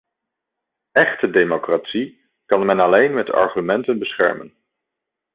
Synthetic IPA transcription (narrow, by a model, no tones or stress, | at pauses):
ɛχtədejmokratsi | kɑnmɛnɑlejnmɛtɑ̰ɹχymɛntənbəsχɛ̰ɹmə̰n